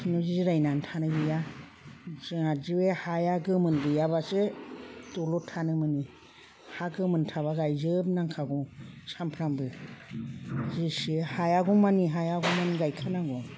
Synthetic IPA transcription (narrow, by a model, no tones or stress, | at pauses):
nɔzizɾajnantʰanɯbɯja | zɯŋaziwehajaɡɯmɯnbɯjaβasetɔlɔtʰanɯmɯni | haɡɯmɯntʰaβaɡajzɯb̚naŋkʰaɡɔsampʰɾambɯ | zisɯhajaɡumaniɦajaɡɔmaniɡajkʰanaɡɔ